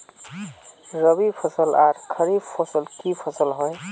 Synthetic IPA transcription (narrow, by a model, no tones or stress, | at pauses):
ɾəbipʰəsəlaɾkʰəɾibpʰosəlkipʰəsəlɦoj